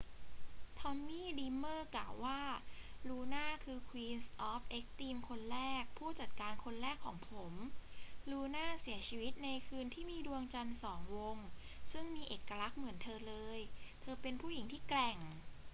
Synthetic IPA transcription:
t̪ʰɔ˧mːiː˥˩liː˧mːɤː˥˩klaː˨˩wːaː˥˩ɾuː˧naː˥˩kʰɯː˧kʰwiː˧nsʔɔ˦˥p̚ʔe˦˥k̚t̪iː˧mkʰo˧nɾɛː˥˩k̚pʰuː˥˩t͡ɕa˨˩t̪̚kaː˧nkʰo˧nɾɛː˥˩kʰːɔː˩˦ŋpʰo˩˦mɾuː˧naː˥˩si˩˦ɐt͡ɕʰiː˧wi˦˥t̪̚na˧jkʰɯː˧nt̪ʰiː˥˩miː˧du˧əŋt͡ɕa˧nsɔː˩˦ŋwo˧ŋ | sɯ˥˩ŋmiː˧ʔeː˨˩kːa˧ɾa˦˥k̚mɯ˨˩˦ənt̪ʰɤː˧lɤː˧jt̪ʰɤː˧pe˧npʰuː˥˩ji˨˩˦ŋt̪ʰiː˥˩klɛ˨˩ŋ

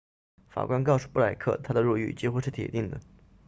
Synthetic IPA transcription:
fa̰˨˩kwa˥nkɑ˥˧ʊʂu˥˩pu˥˩a˨˩ɪkʰɤ̰˥˩t̪ʰa˥d̪ə˨ɻu˥˧y̰˥˩t͡ɕi˥xu˥ʂɻ̩˥˩t̪ʰɛ̰˨˩t̪i˥˩ŋd̪ə˩

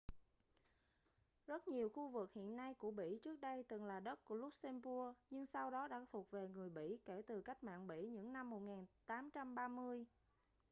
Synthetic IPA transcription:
zə˦˥t̚ɲi˨˩əwxu˧vɨ˨˩k̚hḭ˧˨ənːa˧jku˧˩əɓḭ˧˥˨t͡ɕɨ˦˥ək̚ɗə˧jt̪ɨ˨˩ŋlaː˨˩ɗə˦˥t̚ku˧˩əlʊ˦˥k͡p̚sɛ˧mpu˧əɲɨ˧ŋsa˧wɗɔ˨˦ɗa̰ː˧˥t̪ʰu˨˩ət̚ve˨˩ŋɨ˨˩əjɓḭ˧˥˨ke˧˩t̪ɨ˨˩ka˦˥jk̟̚ma̰ː˧˨nɓḭ˧˥ɲɨ̰˧˥ŋna˧mːo˨˩t̚ŋaː˨˩nt̪aː˨˦mt͡ɕa˧mɓaː˧mɨ˧əj

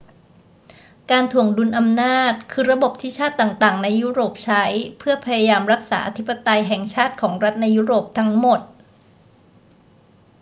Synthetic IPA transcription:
kaː˧nt̪ʰu˨˩əŋdu˧nʔa˧mnaː˥˩t̪̚kʰɯː˧ɾa˧bo˨˩p̚t̪ʰiː˥˩t͡ɕʰaː˥˩t̪ːaː˨˩ŋt̪aː˨˩ŋna˧jːuː˥˩ɾoː˨˩p̚t͡ɕʰa˦˥jpʰɯ˥˩ɐpʰa˧ja˧jaː˧mɾa˦˥k̚saː˩˦ʔa˧t̪ʰi˦˥pːa˧t̪a˧jɦɛː˨˩ŋt͡ɕʰaː˥˩t̪̚kʰɔː˩˦ŋɾa˦˥t̪̚na˧jːuː˦˥ɾoː˨˩p̚t̪ʰa˦˥ŋmo˨˩t̪̚

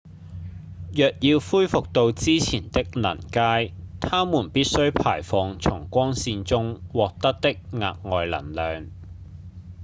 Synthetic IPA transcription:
jœː˨k̚jiː˧wfuː˥jfʊ˨k̚t̪o˧wt͡siː˥t͡sʰiː˨˩nt̪ɪ˥k̚lɐ̰˨˩nkaː˥jt̪ʰaː˥muː˨˩npiː˥t̚sɵ˥ɥpʰa̰ː˨˩jfɔː˨˧ŋt͡sʰʊ˨˩ŋkʷɔː˥ŋsiː˧nt͡sʊ˥ŋwɔː˨k̚t̪ɐ˥k̚t̪ɪ˥k̚ŋa̰ː˨k̚ŋɔː˨jlɐ̰˨˩nlœː˨˧ŋ

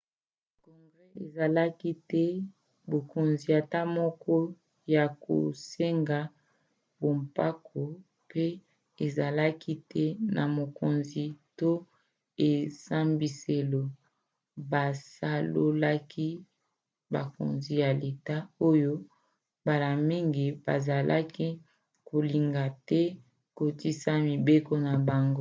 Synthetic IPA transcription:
kɔ˨ŋɡʁɛ˦e˨za˨la˦ki˦tɛ˦ | bo˨ko˨nzi˨a˨ta˦mɔ˦kɔ˦ | ja˨ko̰˨se˦ŋɡa˨ | bo˨mpa˦kʰo˨ | pe˦ | e˨za˨la˦ki˦tɛ˦na˨mo˨ko˨nzi˨to˦ | e˨sa˦mbi˨se˨lo˨ | ba˨sa˦lo̰˦la˦kʰi˦ | ba̰˨ko̰˨nzi˦ja˨le˨ta˦o˦jo˦ | ba˨la˨mi˦ŋɡi˨ba̰˨za˨lʔa̰˦ki˦ | ko˨li˨ŋɡa˨tɛ˦ | ko˨ti˦sa˦mi˨be˦ko˦na˨ba˨ŋɡo˦

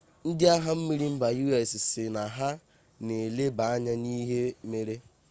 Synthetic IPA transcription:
n̩˦dɪ˦a˦ɦa˦m̩˦mi˦ɾi˦m̩˦ba˨ju˦e˨ssɪ˨na˨ɦa˦ | ne˨le˦ba˨a˦ɲa˦ni˦ɦe˦me˦ɾe˦

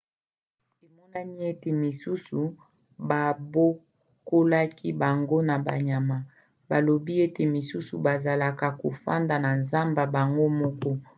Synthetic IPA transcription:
e˨mɔ˦na˦ni˦e˦te˨mi˨su˦su˨ | ba˨bo˦ | ko˦la˦ki˦ba˨ŋɡo˦na˨ba̰˨ɲa˨ma˨ | ba˨lo˨bi˦e˦te˨mi˨su˦sṵ˨ba˨za˨la˨ka˨ko˨fa̰˦nda˨na˨nza˦mba˨ba˨ŋɡo˦mɔ˦kɔ˦

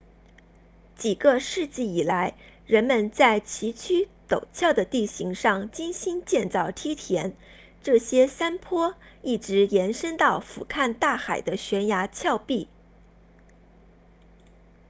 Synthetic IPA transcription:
t͡ɕi˨˩ɡə˦ʂɻ̩˥˧t͡ɕi˥˩i˨˩la˧˥ɪ | ɻə˧˥nmə˧nt͡sa˥˩ɪt͡ɕʰi˧˥t͡ɕʰy˥t̪o˨˩ʊt͡ɕʰjɑ˥˩ʊd̪ə˩t̪i˥˩ɕi˧˥ŋʂɑ˥˩ŋt͡ɕi˥nɕi˥nt͡ɕjɛ˥˧nt͡sɑ˥˩ʊt̪ʰi˥t̪ʰjɛ˧˥n | ʈ͡ʂɤ˥˩ɕjɛ˥sa˥npʰwɔ˥i˥˩ʈ͡ʂɻ̩˧˥jɛ˧˥nʂə˥ŋt̪ɑ˥˩ʊfṵ˨˩kʰa˥˧nt̪a˥˩xa˨˩ɪd̪ə˦ɕɥɛ˧˥nja˧˥t͡ɕʰjɑ˥˧ʊpi˥˩

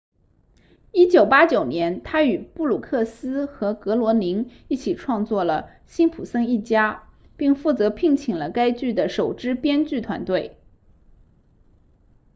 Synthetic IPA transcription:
i˥t͡ɕjo˨˩ʊpa˥t͡ɕjo˨˩ʊnjɛ˧˥nt̪ʰa˥y˨˩pu˥˩lu˨˩kʰɤ˥˩sɹ̩˥xɤ˧˥kɤ˧˥lwɔ˧˥li˧˥ŋi˥˩t͡ɕʰi˨˩ʈ͡ʂʰwɑ˥˧ŋt͡swɔ˥˩lə˩ | ɕi˥npʰu˨˩sɤ˥ŋi˥˩t͡ɕja˥ | pi˥˧ŋfu˥˩t͡sɤ˧˥pʰi˥˩ŋt͡ɕʰi˨˩ŋlə˦ka˥ɪt͡ɕy˥˩d̪ə˩ʂo˨˩ʊʈ͡ʂɻ̩˥pjɛ˥nt͡ɕy˥˩t̪ʰwa̰˧˥nt̪we˥˩ɪ

